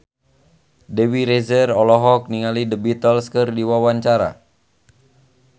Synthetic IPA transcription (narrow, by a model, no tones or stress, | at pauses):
dewiɾezərɔlɔɦɔk̚niŋalidəbit̪əlskərdiwawaɲt͡ʃaɾa̰